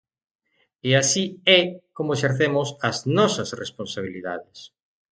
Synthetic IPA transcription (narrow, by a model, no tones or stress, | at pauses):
easiɛkomoeʃeɾθemʊsaznɔsɐsresponsaβiliða̰ðes